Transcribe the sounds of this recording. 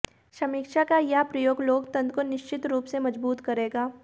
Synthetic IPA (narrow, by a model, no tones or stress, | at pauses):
ʃɐmikʃakajapɾɐjoːɡloːɡt̪ɐ̃nd̪konɪʃt͡ʃɪt̪ɾuːpsemɐd͡ʒbuːt̪kɐɾeːɡaː